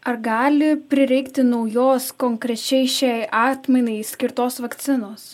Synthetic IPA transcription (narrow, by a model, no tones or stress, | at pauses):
ɐɾɡɑːlʲɪpʲɾʲɪɾʲɛɪkt̪ʲɪnɐʊjoːskoŋkɾʲɛt͡ʃʲɛɪʃʲɛɪʔɑːt̪ʲmʲɛnʲɛɪsʲkʲɪɾt̪oːsʋɐkt̪sʲɪnoːs